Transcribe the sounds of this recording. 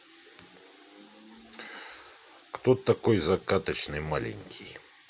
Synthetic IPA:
kt̪ot̪ɐkojzɐkat̪ət͡ɕnɨjmalʲɪ̰nʲkʲʰij

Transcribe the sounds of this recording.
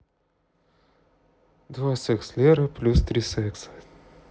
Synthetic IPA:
d̪vasɛkslʲeɾəplʲust̪ɾʲisɛksə̥

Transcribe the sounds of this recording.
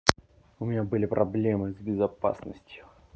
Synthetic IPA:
ʊmʲɪnʲabɨlʲɪpɾʔɐblʲemɨzbʲɪzɐpa̰snəsʲtʲjʊ

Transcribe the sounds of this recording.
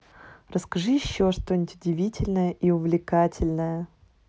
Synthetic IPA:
rəskɐʐɨjɪɕːoʂt̪onʲɪtʲʊdʲɪvʲitʲɪlʲnəjəʔiʊvlʲɪkatʲɪlʲnəjə

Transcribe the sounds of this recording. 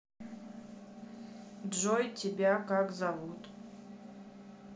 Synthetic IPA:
dʒojtʰʲibʲakakzavut̪ʼ

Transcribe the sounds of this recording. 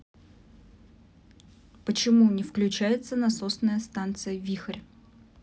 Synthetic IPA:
pət͡ɕɪmunʲɪfklʲʉt͡ɕæjɪt̪sənɐsosnəjəst̪ant̪sɨjəvʲixərʲ

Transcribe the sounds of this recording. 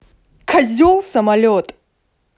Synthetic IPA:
kʰɐzʲɔlˠsɐmɐlʲɔt̪ʼ

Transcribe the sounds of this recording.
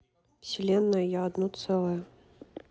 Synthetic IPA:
fsʲɪlʲenːəjəjaːd̪nɔt̪sɛlˠəjə

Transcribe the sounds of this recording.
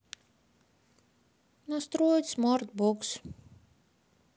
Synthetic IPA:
nɔst̪ɾuɔjt̪smɔɾt̪̚buks

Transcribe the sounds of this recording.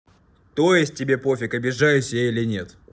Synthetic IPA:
t̪o̞jɪsʲt̚ʲtʲːɪbʲe̞po̞fʲɪkɐbʲɪʐajʊsʲɪjʲeilʲɪnʲe̞t̪

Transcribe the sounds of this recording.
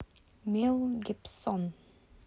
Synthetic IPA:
mɪlɡɪpsɔn

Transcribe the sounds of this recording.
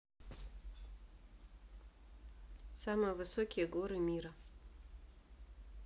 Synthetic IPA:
samɨjəvɨsokʲɪjeɡoɾɨmʲiɾɐ

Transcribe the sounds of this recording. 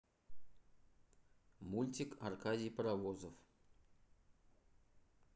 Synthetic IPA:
mulʲtʲɪkarkadʲijpɾavozəf

